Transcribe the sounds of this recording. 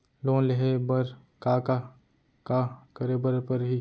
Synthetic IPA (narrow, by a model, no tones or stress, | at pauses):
lõːleɦebəɾ | kaka | kakəɾebəɾpəɾɦi